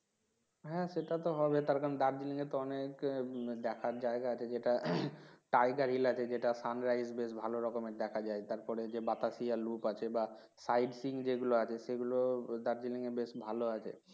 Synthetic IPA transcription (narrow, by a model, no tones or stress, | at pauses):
ɦɛ̃ʃeʈat̪oɦɔbet̪aɾkaɾond̪aɾd͡ʑiliŋet̪oɔnekd̪ɛkʰaɾd͡ʑaeɡaat͡ɕʰed͡ʑeʈa | ʈajɡaɾɦilat͡ɕʰed͡ʑeʈasanɾajsbeʃbʱaloɾɔkomed̪ɛkʰad͡ʑaet̪aɾpɔɾed͡ʑebat̪asialupat͡ɕʰeba | sajɖsiŋd͡ʑeɡuloat͡ɕʰeʃeɡulod̪aɾd͡ʑiliŋebeʃbʱaloat͡ɕʰḛ